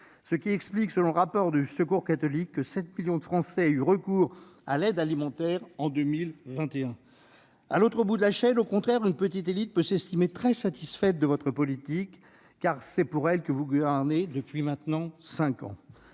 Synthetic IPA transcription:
səkʲiɛkspliksəlɔ̃ləʁapɔʁd̪ysəkuʁkat̪ɔlikːəsɛt̪miljɔ̃d̪əfχɑ̃sɛyʁəkuːʁa̰lɛd̪alimɑ̃t̪ɛʁɑ̃d̪əmilvɛ̃t̪eɛ̃ | alot̪χəbud̪əlaʃɛnokɔ̃t̪χɛʁynpət̪it̪elit̪̚pøsɛst̪imet̪χɛsat̪isfɛt̪̚d̪əvɔt̪χəpɔlit̪ikː | aʁsɛpuʁɛlkəvuɡvɛʁned̪əpɥimɛ̃t̪nɑ̃sɛ̃kɑ̰̃

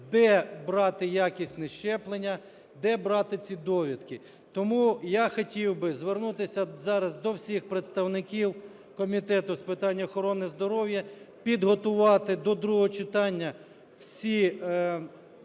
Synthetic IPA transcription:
d̪ɛbɾɑt̪ɪjakʲisʲtʲnɛʃt͡ʃɛplˠenʲːɐ | d̪ɛbɾɑt̪ɪt͡sʲid̪ɔʋʲid̪kɪ | t̪ɔmujaxɔtʲiwbɪzʋernut̪ɪsʲɐzɑɾɐzd̪ɔwsʲixpɾet̪st̪ɐwnɪkʲiw | kɔmʲit̪ɛt̪ʊspɪt̪ɑnʲːɐɔxɔɾɔnɪzd̪ɔɾɔwjɐ | pʲid̪ɦɔt̪ʊʋɑt̪ɪd̪ɔd̪ɾuɔɦɔt͡ʃɪt̪ɑnʲːɐ | wsʲi

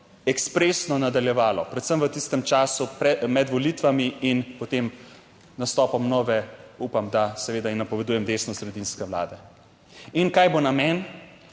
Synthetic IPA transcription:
ɛkspɾesnɔnad̪aljɛʋaːlɔpɾɛt̪səmʋət̪ist̪ɛmt͡ʃaːsupɛmɛd̪ʋɔlit̪ʋamiinpɔt̪em | nast̪ɔːpɔmnɔʋɛupamd̪asɛʋeːd̪ainapɔʋɛd̪uːjɛmd̪eːsnɔsɾɛd̪inskɛʋla̰ːd̪ɛ | inkaːjbonamɛn

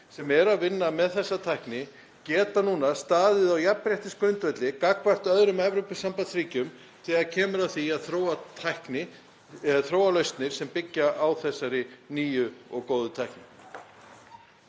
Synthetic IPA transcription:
sɛmɛɾaðvɪnːamɛðθɛsːat̪ʰajhknɪ | cɛːt̪anuːnast̪aːðɪðawjapɾjaht̪ɪskʰœnt̪vɛt̪lɪkaːkvar̥t̪œðɾʏmɛvɾopɪsampansɾiːcʏm | t̪ʰɪaðcʰɛːmʏɾawθiaðθɾoːwat̪ʰajhknɪ | θɾoːwalœɥst̪nɪɾ̥sɛmpɪcːaʔawθɛsːaɾɪniːjʏɔɣkoːwðʏt̪ʰajhknɪ

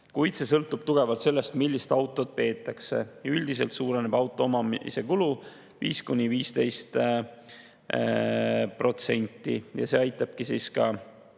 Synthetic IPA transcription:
kujt̪se̞sɤlt̪ːˑub̥t̪uɡ̥e̞vɑlt̪se̞lːe̞st̪milʲːist̪ɑwt̪ːˑo̞t̪̚pe̞ːt̪ːˑɑkse̞̰jyld̪ise̞̰lt̪suːɾene̞b̥ɑwt̪ːˑoomɑmise̞kulu | viːskunʲːiviːst̪e̞jst̪ | pro̞t̪se̞̰nʲt̪ːˑḭjɑ̰se̞ːɑjt̪ːˑɑb̥̚kisiskɑ

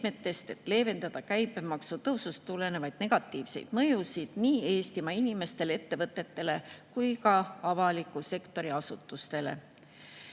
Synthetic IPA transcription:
me̞t̪ːe̞st̪e̞t̪ːˑle̞ːve̞nd̪ɑd̪̥ɑkæjpːˑe̞mɑksut̪ɤwsust̪ːule̞ne̞vɑjd̪̥ne̞ɡ̥ɑt̪ːˑiːvse̞̰jd̪̥mɤjusid̪̥niːe̞ːst̪imɑinʲime̞st̪e̞let̪ːe̞vɤt̪ːˑe̞t̪ːe̞le̞kujkɑɑvɑlikːˑuse̞kt̪o̞ɾiɑsut̪ːˑust̪e̞le̞̰

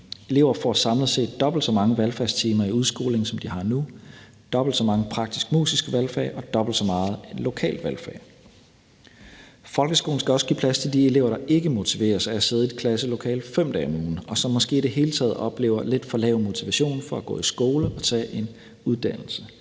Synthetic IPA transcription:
e̝le̝ʊ̰ɐfɒ̰sɑ̈mlð̩ˠse̝̰ːd̥d̥ɒ̽b̥l̩d̥sɒ̽mɑ̈ŋəʋælfæɐst͡sʰiːmɐiuð̞ˠsɡ̥o̝̰ːle̝ŋsɒ̽md̥ihɑ̈nu | d̥ɒ̽b̥l̩d̥sɒ̽mɑ̈ŋəpʰʁɑ̈ɡ̥̚d̥isɡ̥mṵːsisɡ̥əʋælfæɐʔɒ̽d̥ɒ̽b̥l̩d̥sɒ̽mɑ̈ːð̞̩ˠenlo̝kʰɛ̰ːld̥ʋælfæɐː | fɒ̽lɡ̥əsɡ̥o̝ːln̩skʰæɒ̽sɡ̥ḭːpʰlæst͡sʰe̝ld̥ie̝le̝ːʊɐɾ̥ɑ̈ʔe̝ɡ̥əmo̝t͡sʰiʋe̝̰ːɐsææseð̞ˠed̥kʰlæsəlo̝kʰɛ̰ːl̥fem̰d̥ɛ̰muːn̩ɒ̽sɒ̽mːɒ̽sɡ̥e̝̰ːid̥e̝ɦe̝ːlət͡sʰɛ̰ːð̩ˠɒ̽b̥le̝̰ːʊɐle̝d̥fɒ̽lɛ̰ʊmo̝t͡sʰiʋæɕo̝̰ːnfɒ̽æɡ̥ɔ̰̽ːisɡ̥o̝ːləʔɒ̽t͡sʰɛ̰ːʔe̝n | uð̞ˠd̥æn̰l̩sə

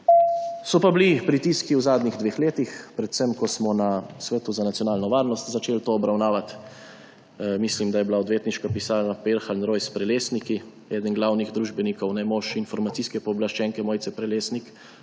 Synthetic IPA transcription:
sɔpablipɾit̪iskiuzaːd̪niɣd̪ʋeːxleːt̪ixpɾɛt̪səmkɔsmɔnasʋɛːt̪uzanat̪sjɔnaːlnɔʋaːɾnɔst̪zat͡ʃeːlt̪oːbɾawnaːʋat̪ | mislimd̪ajɛblaɔd̪ʋeːt̪niʃkapisaːnapeɾxalnɾoːjspɾɛleːsniki | ɛːd̪ənɡlaːwniɣd̪ɾuːʒbɛnikɔwnɛmoʃinfɔɾmat̪siːskɛpɔːblaʃt͡ʃɛːŋkɛmoːjt̪sɛpɾɛleːsnik

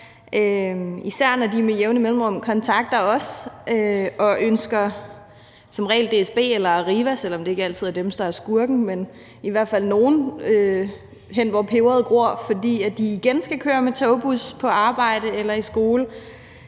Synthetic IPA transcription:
ʔøisæɐ̰nɒd̥imejeʊnəimelm̩ʁɔ̽m̰kʰɒ̽nt͡sʰɑ̈ɡ̥̚d̥ɐɒ̽sʔøɒ̽ʔønsɡ̥ɐ | sɒ̽mʁɛ̰ɪld̥e̝esb̥e̝̰ːelɐæʁiːʋæsel̰ɒ̽md̥e̝e̝ɡ̥əæl̰t͡sʰið̞̰ˠɐd̥emsd̥ɑ̈æɐsɡ̥uɐɡ̥n̩men | iʋæɐ̰d̥fæl̰no̝ːn̩ø | ɦen̰ʋɒpʰe̝ʊɐð̞̩ˠɡ̥ʁo̝ɐ̰fɒ̽d̥ḭːæd̥iːɡ̥ensɡ̥ækʰøːɐmet͡sʰoʊb̥uspʰɒ̽ʔɑ̈ːb̥ɑ̈ɪ̰d̥əelɐisɡ̥o̝ːlə

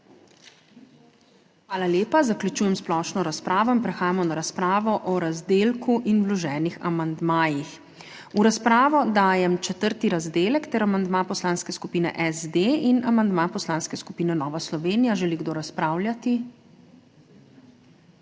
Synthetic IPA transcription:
xʋaːlaljeːpazakljut͡ʃuːjɛmsplɔʃnɔɾaspɾaːʋɔinpɾɛxaːjamɔnaɾaspɾaːʋɔʔɔɾazd̪eːlkuʔinblɔʒɛːnixa̰mand̪maːjix | uɾaspɾaːʋɔd̪aːjɛmt͡ʃɛt̪əɾt̪iɾazd̪eːlɛkt̪ɛɾamand̪mapɔslaːnskɛskupiːnɛ̰ʔɛzd̪einamand̪mapɔslaːnskɛskupiːnɛnɔːʋaslɔʋeːnijaʒɛliɡd̪oːɾaspɾaːwlʲjat̪i

